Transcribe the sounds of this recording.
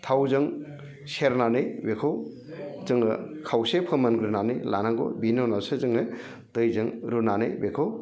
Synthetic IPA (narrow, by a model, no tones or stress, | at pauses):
t̪ʰawzɯŋ | seɾnanɯjbekʰɯw | zɯŋɯ̰kʰawsepʰɯmanɡɾɯnanɯ̰jlanaŋɡo̰binonasɯzɯŋɯ | tɯjzɯŋɾunanɯbekʰɯw